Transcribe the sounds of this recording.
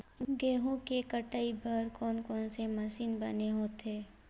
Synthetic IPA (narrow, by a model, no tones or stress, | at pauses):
ɡeːɦõkekəʈaːibʱəɾkɔːnkɔːnsemɐsiːnbɐ̰neɦoːt̪eː